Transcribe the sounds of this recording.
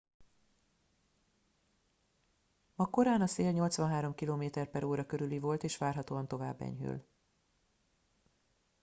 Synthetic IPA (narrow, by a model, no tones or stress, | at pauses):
mɒko̞ɾaːnɒseːlɲo̞lt̪sʋɒnɦaːɾo̞mkiloːmeːt̪ɛrpɛɾoːɾɒkøɾylivo̞lt̪eːʃʋaːrɦɒt̪oːɒnt̪o̞va̰ːbːɛ̰ɲɦy̰l